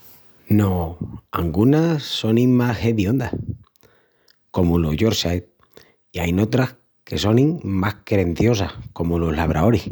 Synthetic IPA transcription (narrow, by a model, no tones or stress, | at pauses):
no̞aŋɡunaso̞nĩŋmaheðjond̪a | ko̞muloʝoɾsajt̪̚ | iajno̞t̪ɾah | ke̞so̞nĩŋmahkeɾe̞n̟θjo̞sahko̞muloɦlaβ̞ɾao̞ɾih